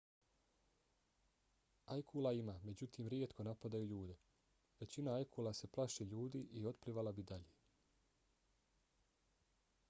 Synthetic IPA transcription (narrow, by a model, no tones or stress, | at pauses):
ajkʰulˠaimaːme̞d͡ʑut̪iːmɾjet̪ko̞napad̪ajuʎuːd̪e̞ | ʋe̞t͡ɕinaajkʰulˠase̞plˠaʃeʎuːd̪iʔio̞t̪pliʋalabid̪aʎeː